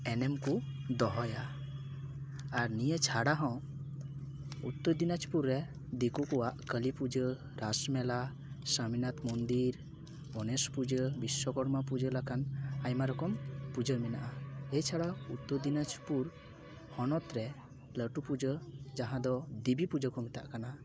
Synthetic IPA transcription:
ɛnɛmkud̪ɔɦɔja | ɾnijet͡ʃʰaɽaɦɔ̃w̃ | ut̪ːəd̪inad͡ʒpuɾːɛ | d̪ikukɔwaʔkəlipud͡ʒə | ɾasmɛla | səminat̪mɔnd̪iɾ | ɔnɛspud͡ʒəbiswɔkɔɾmapud͡ʒəlakanajmaɾɔkɔmpud͡ʒəɾmɛnaʔaɛjt͡ʃʰaɽaut̪ːəd̪inat͡ʃpuɾ | hɔnɔt̪ɾɛ | ləʈupud͡ʒəd͡ʒaɦãd̪ɔd̪ibipud͡ʒəkɔmit̪a̰ʔkana

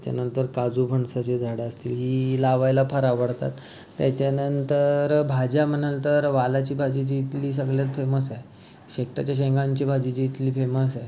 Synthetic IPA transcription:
t͡ɕja̰nənt̪əɾkad͡zuːbʱəɳsaɕed͡zʱaɽəəst̪iːlɦiːlaʋajlapʰəɾaʋəɽt̪a̰t̪ː | jat͡ɕjanənt̪əɾbʱad͡ʑjam̤əɳalt̪əɾʋalat͡ɕiːbʱad͡ʑit͡ɕiːt̪liːs̬əɡɭjat̪feməsaj | ɕekʈat͡ɕjaɕ̬ẽŋɡãɲt͡ɕiːbʱad͡ʑit͡ɕit̪liːfeməsaj

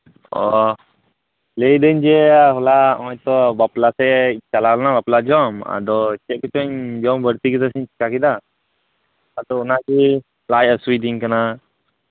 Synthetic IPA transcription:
ɔ | lejd̪əɲd͡ʒɛɦɔlamɔjt̪ɔbaplasɛt͡ʃalalɔnabaplad͡ʒɔma̰d̪ɔt͡ʃɛʔ̚kɔt͡ʃɔɲd͡ʒɔmbəɾt̪ikit̪asiɲt͡ʃi̥kakid̪a | d̪ɔunaki | lajəsujd̪iŋkana

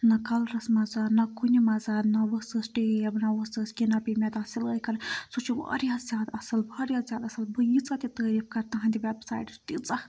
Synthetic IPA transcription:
nɐkɐlɾɐsmɐzaːd̪nɐkʰunʲimɐzaːd̪nɐʋəsɨsʈijɐbɨnɐʋəsəskʲinɐpʲimʲed̪aːsiləːikɐɾsut͡ʃʰiʋa̰ːɾijazʲjaːd̪ɐsɐlbaːɾjaːzʲjaːd̪ɐsɐlbɨjit͡sat̪ʲit̪əːɾiːfkɐɾt̪ɐɦɐ̃nd̪ʲiʋebsa̰ːjʈt̪it͡sʼɐ

